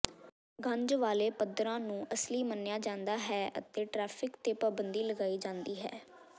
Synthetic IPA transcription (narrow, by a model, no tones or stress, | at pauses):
ɡʱə̃ɲd͡ʒʋaːleːpəd̪ɾãːnũːʔəsliːmənːjaːd͡ʒãːnd̪aːɦɛːə̰t̪eːʈɾɛːpʰɪkt̪eːpaːbənd̪iːləɡaːiːd͡ʒãːnd̪iːɦɛ̰ː